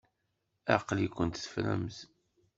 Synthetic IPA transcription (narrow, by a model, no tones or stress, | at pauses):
aqlikʷːənt̪θə̥fɾæ̰mz